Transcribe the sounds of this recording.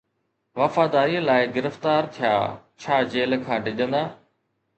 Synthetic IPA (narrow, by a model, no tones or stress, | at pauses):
ʋɐfaːd̪aːɾiːəlaːɪɡɪɾəft̪aːɾt̪ʰija̰ːt͡ɕʰaːd͡ʑeːlkʰãːɖɪʄə̃nd̪aː